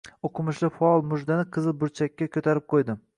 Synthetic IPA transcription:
oqʰɨmʊʃlɪfaɒlˠmʊʒd̪anɪqʰɨzɪbʊɾt͡ʃʰakʲːakʲʰɵt̪ʰaɾɪp̚qʰojd̪ɪ

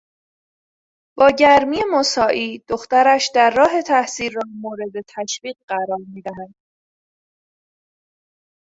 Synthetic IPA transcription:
b̥ɒːɟæɾmiːe̞mosɒːʔiːd̪̥o̞xt̪æɾæʃd̪æɾːɒːɦe̞t̪ʰæhsiːlːɒːmoːɾe̞d̪e̞t̪ʰæʃviːɢɢæɾɒːɾmiːd̪æɦænd̪̥

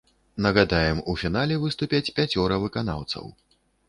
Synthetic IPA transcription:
nɐɣad̪ajɛmufʲin̪alʲɛvɨst̪upʲat͡sʲpʲat͡sʲɔɾɐvɨkana̰wt̪sɐ̰w

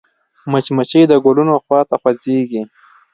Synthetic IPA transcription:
mət͡ʃmat͡ʃid̪əɡolunoxwɑːt̪axwazeɡi

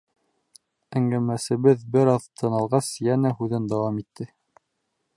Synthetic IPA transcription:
æŋɡæmæsɘ̆βɘðbɘɾɑðt̪ʰɤ̆nɑlˠʁɑsjænæhʉðɘnd̪ɑwɑmit̪ʰːɘ

